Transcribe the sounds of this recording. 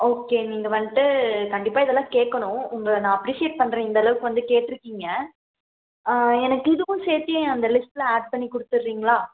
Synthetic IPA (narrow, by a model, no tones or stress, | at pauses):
oːkːeːniːŋɡɐʋɐnʈ̪ːɯkɐɳɖɪpːaːɪðɛlːãːkeːʈkːɐɳʊ̃ʊŋɡɐɭnãːɐpɾiːsɪjeːʈ̚pɐɳːɾẽɪnd̪ɐlɐʋɯkːɯʋɐnd̪ɯkeːʈːɪɾɯkːiːŋɡɐ | ɛnɐkːɯɪðɯʋʊ̃seːt̪ːɪjẽɐnd̪ɐlɪsʈlɐaːɖ̚pɐɳːikʊɽɯt̪ːɯɾɾiːŋɡɐɭaː